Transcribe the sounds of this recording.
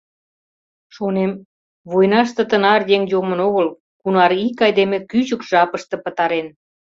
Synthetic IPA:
ʃonem | βojnɑʃt̪ə̆t̪ənɑrjeŋjomə̆noɣəl | kunɑɾikɑjd̪emekyt͡ɕəkʒ̥ɑpəʃt̪ɤ̆pət̪ɑɾen

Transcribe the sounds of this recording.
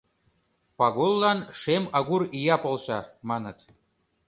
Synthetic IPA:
pɑɣolˠːɑnʃemɑɣurijɑpolˠʃɑmɑnət̪

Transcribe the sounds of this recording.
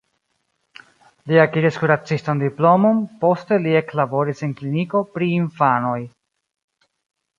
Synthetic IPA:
liakiɾiskuɾat͡sistandiplo̞mo̞npo̞ste̞lie̞klabo̞ɾisenkliniko̞pɾiːnfano̞j

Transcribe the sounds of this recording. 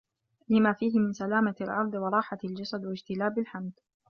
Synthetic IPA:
lɪmaːfiːɦɪmɪnsalaːmalʔɑ̰ɾˤd̪ˤwɑɾˤɑːħaald͡ʒɑsad̪wad͡ʒt̪ɪlaːbalħamd̪

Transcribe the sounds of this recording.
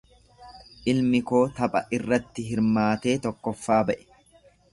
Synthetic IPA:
ʔɪlmɪkoːt̪ɐpʼɐʔɪrːɐt̪ːɪɦɪɾmaːt̪e̞ːt̪ɔkːɔfːaːbɐʔɛ̥

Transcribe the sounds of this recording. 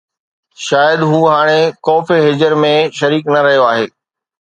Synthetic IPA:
ʃaːjəd̪ɦuːɦaːɽ̃ekɔːfiɦeːd͡ʑəɾmẽʃɐɾiːknɐɾɐɦijoaːɦeː

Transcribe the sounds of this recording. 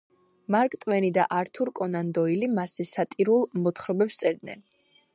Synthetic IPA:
maɾkʼt̪ʼvɛnid̪a̰ʔaɾt̪ʰuɾkʼɔnand̪ɔilimasɛsat̪ʼiɾulˠmɔt̪χɾɔbɛpst̪sʼɛɾd̪nɛ̰n

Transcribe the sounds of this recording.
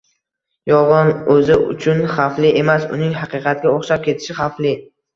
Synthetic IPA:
jɒʁɨnɵzɪʊ̰t͡ʃʰʊnχaflɪʔe̞masʊ̰nɪŋɦɑqʰɨqʰɑt̪̚ɡʲaoχʃap̚kʲʰe̞t̪ʰɪ̥ʃɪχaflɪ

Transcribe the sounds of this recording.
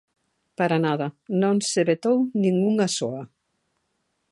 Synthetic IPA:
paɾanaðɐnõŋseβet̪ownĩŋuŋasoa

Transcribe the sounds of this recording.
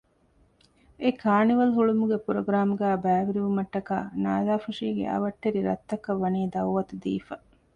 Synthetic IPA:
ekʰaːniʋɐlɦuɭumuɡepuɾoɡɾaːmuɡæːbæːʋiɾiʋumɐʈːɐka̰ːna̰ːzaːfuʂiːɡḛʔɐ̰ʋɐʈːeɾiɾɐ̰t̪ːɐkɐʋːɐniːd̪ɐwʋɐt̪ud̪ḭːfɐ

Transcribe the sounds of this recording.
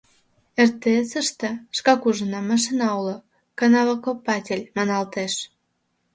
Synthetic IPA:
ert̪esəʃt̪ĕʃkɑkuʒənɑmɑʃ̬inɑolo | kɑnɑβɑkopːɑtʲelʲmɑnɑlt̪eʃ

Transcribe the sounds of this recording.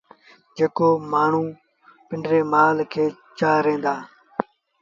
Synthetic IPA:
d͡ʒeːkoːmaːɳ̤ũː | pɪɳɖɾeːmaːlkʰeː | t͡ʃaːɾẽːnd̪aː

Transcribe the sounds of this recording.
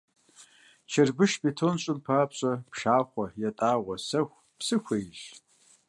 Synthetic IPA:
t͡ʃʰɐrbɨʃbetʰonɕʼʊmpʰaːpɕʼɐpʂaːχʷɔjɛtʼaːʁʷɔsɐxʷ | psɨxʷejʒ

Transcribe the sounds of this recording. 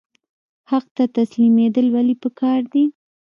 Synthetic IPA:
haq̚t̪at̪aslimed̪əlwalipəkʰɑɾd̪i

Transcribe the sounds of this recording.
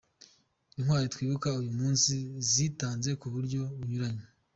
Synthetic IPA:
inhwaːɾitwiːβukaujumuːnsiziːtaːnze̞kuβuɾɟo̞βuɲuɾaɲe

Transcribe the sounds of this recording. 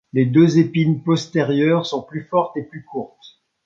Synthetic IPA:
led̪øzepinpɔst̪eʁjœʁsɔ̃plyfɔʁt̪eplykuʁt̪

